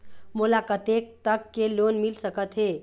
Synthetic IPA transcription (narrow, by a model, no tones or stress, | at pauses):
mulakət̪ek̚t̪əkːelonmilsəkət̪ɦe